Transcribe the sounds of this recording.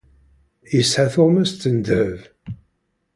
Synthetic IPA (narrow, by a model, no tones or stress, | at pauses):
jəsħaθoʁmæst̪ənd̪həv